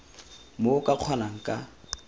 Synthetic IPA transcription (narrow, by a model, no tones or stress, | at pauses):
mokʼaq͡χʰwanaŋ̩kʼa